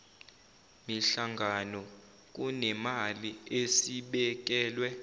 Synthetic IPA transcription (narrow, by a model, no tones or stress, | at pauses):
miɬaŋɡʱanɔ | k̬ʼunɛmaliesiɓɛk̬ɛːlwɛ